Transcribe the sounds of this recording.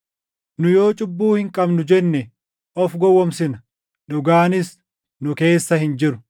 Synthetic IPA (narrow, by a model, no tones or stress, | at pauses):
nʊjo̞ːt͡ʃʼʊbːuːhɪŋkʼɐbnʊd͡ʒɛnːɛ | ʔɔfɡɔwːɔmsɪnɐ | ᶑʊɡaːnɪs | nʊke̞ːsːɐhɪnd͡ʒɪɾʊ̥